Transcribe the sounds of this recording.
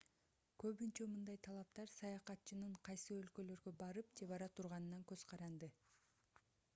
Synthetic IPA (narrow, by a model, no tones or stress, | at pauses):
kø̞βynt͡ʃømɯnd̪ɑjt̪ʰɑlˠɑp̚t̪ɑɾsɑjɑqɑt̪t͡ʃɯnɯɴqʰɑjsɯø̞lkø̞lø̞ɾɡø̞bɑɾɯpd͡ʒe̞βɑɾɑt̪ʰuɾʁɑnɯnɑŋkøz̥qʰɑɾɑnd̪ɯ